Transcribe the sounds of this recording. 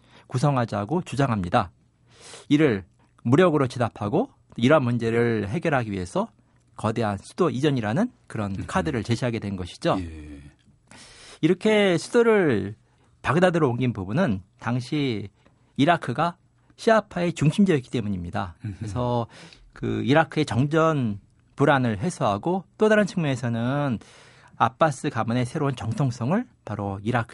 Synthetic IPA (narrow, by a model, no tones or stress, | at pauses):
kusʰʌŋɦad͡ʑaɡot͡ɕud͡ʑaŋɦamɲida | iɾɯɭ | muɾjʌɡɯɾot͡ɕinapʰaɡo | t͈oiɾʌnmund͡ʑe̞ɾɯɭɦe̞ɡjʌɾɦaɡiɥiɦe̞sʰʌ | kʌde̞ɦansʰu̥doʔid͡ʑʌɲiɾanɯnkɯɾʌnkʰadɯɾɯɭt͡ɕe̞ɕʰiaɡe̞dwe̞nnɡʌɕʰi̥d͡ʑo | iɾʌkʰe̞sʰud̥oɾɯɭ | paɡdadɯɾooŋɡinpubunɯntaŋɕʰiː | ɾakʰɯɡa | ɕʰiapʰae̞t͡ɕuŋɕʰimd͡ʑejʌk͈i̥t͈e̞muɲimɲidakɾesʰʌ | kɯ̰iɾakʰɯe̞t͡ɕʌŋd͡ʑʌn | puɾanɯɭɦe̞sʰoɦaɡot͈odaɾɯnt͡ɕʰiŋmjune̞sʰʌnɯn | ap͈as͈ɯkamɯne̞sʰe̞ɾount͡ɕʌŋtʰoŋs͈ʰʌŋɯɭpaɾoiɾakʰ